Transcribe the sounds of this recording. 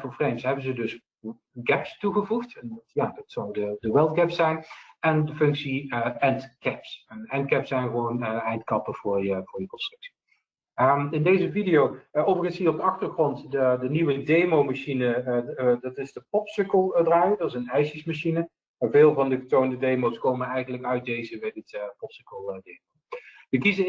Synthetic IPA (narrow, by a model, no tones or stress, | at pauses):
vʊːɹfrejmsɦɛbənzədɵs | ɡɛpstuχəvuχtɛntjaːdɑtsɔwdədəʋɛlˠt̚ɡɛpsɛjnɛndəfɵŋksiɛntkɛpsɛnɛntkɛpsɛjnχəʋownəɛjntkɑpəv̥ʊːɹjəv̥ʊːɹjəkɔpstrɵksi̥ | əɪndejzəvidijowowvəɹɣənsiːrɔb̚dəɑχtəɹχrɔntədəniʋədejmowmaʃinədɑtɪzdəpɔpsʏkəlˠdraːjədətɪsənɛjʃəsmaʃinə | vɪːlˠvɑndəχətowndədejmowskowmənɛjɣənləkœɥt̚dejzəbɛjdɪtpɔpsəkəlˠdemow | ʋəkizə